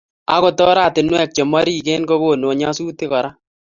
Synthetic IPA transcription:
a̰˦ko˦˨tɔ˦ɾa˦˨tɪ˨nwɛ˦˨k̚t͡ʃe˨ma˦ɾi˦˨keː˦nko˦ɡo˦˨no˨ɲa˦suː˦tɪ˦kɔ˨ɾa˦

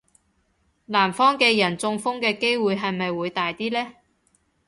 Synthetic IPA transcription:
laː˨˩mfɔː˥ŋkɛː˧jɐ˨˩nt͡sʊ˧ŋfʊ˥ŋkɛː˧ke˥jwuː˨˧jɦɐ˨jmɐ˨jwuː˨˧jt̪aː˨jt̪iː˥lɛː˥

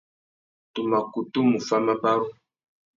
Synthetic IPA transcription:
tu˨ma˨ku˨tu˦mu˨fa˦ma˦ba˦ɾu˦

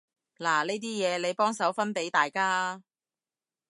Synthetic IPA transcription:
laː˨˩neː˥jt̪̬iː˥jɛː˨˧le˨˧jpɔː˥ŋsɐ˨˥wfɐ˥npe˨˥jt̪aː˨jkaː˥

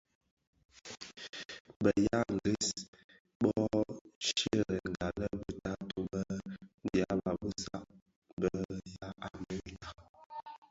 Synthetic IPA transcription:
bə˨ja˦n˨di˦s | ɓɔ˦ʃə˦˨ə˨ŋ˨ɡa˨lə˦bə˦ta˦to˨bə˦n˦dja˨˦ba˨bə˦sa˦ʔ | bə˨˦ja˦ʔa˨mɛ˨ɾi˦ka˨

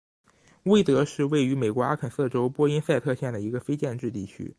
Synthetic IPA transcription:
we˥˩ɪt̪ɤ˧˥ʂɻ̩˥˧we˥˩ɪy˧˥me˨˩ɪkwɔ˧˥a̰˥kʰə˨˩nsɤ˥˩ʈ͡ʂo˥ʊpwɔ˥i˥nsa˥˧ɪt̪ʰɤ˥˧ɕjɛ˥˩nd̪ə˩i˧˥ɡə˧fe˥ɪt͡ɕjɛ˥˧nʈ͡ʂɻ̩˥˧t̪ḭ˥˩t͡ɕʰy̰˥

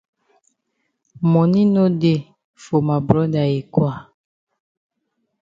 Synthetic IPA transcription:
mɔ˨ni˦no˦de˦˨ | fo˨ma˨bɾɔ˦da˨e˨kwa˦˨

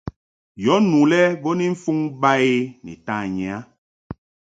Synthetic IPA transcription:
jɔ˨˦nũ˨lɛ˦bo˦ni˦ɱ̩˦fu˦ŋba˦e˦nḭ˨ta˦˨ɲɛ˨a˦

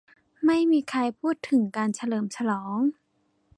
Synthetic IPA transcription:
ma˥˩jmiː˧kʰa˧jpʰuː˥˩t̪ʰːɯ˩˦ŋkaː˧nsʰa˧lɤː˨˩msʰa˧lɔː˩˦ŋ

